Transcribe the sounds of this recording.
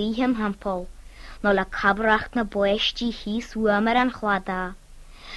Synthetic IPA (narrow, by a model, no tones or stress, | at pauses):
iːɦəmɦəmpʰɔlˠnɔlakʰabɾaxtnəbɔɛʃtihiːsuəməɾanxwad̪a